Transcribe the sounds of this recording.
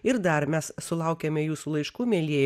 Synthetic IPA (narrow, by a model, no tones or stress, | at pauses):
ɪɾd̪ɐɾmʲɛssʊlˠɐʊkʲɛmʲɛjuːsuːlˠɐɪʃkuːmʲeːlʲiɛ